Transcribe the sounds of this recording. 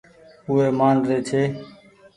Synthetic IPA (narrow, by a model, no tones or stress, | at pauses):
ʊeːmaːnɾeːt̪ʰeː